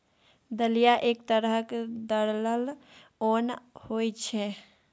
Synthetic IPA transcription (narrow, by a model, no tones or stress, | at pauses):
d̪əlijaʔeːk̚t̪əɾəɦkd̪əɽləlonhojt͡ʃʰɛ